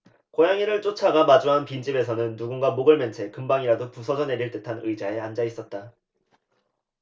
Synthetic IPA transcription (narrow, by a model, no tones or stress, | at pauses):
kojaŋiɾɯɭt͡ɕ͈ot͡ɕʰaɡamad͡ʑuɦanpind͡ʑibe̞sʰʌnɯnːuɡunɡamoɡɯɭment͡ɕʰe̞kɯmbaŋiɾadopusʰʌd͡ʑʌne̞ɾiɭt͈ɯtʰanɯid͡ʑae̞and͡ʑais͈ʌt̚t͈a